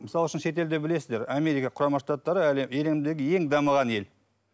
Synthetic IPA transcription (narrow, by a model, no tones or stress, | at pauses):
məsɑlˠʏʃənʃe̞t̪̬e̞ld̪ɪbɪle̞sɪzd̪e̞ɾame̞ɾijkɑqʰʊɾɑmɑʃt̪ɑt̪ːɑɾəleele̞md̪e̞ɡʲɪje̞ŋd̪ɑməʁɑne̞l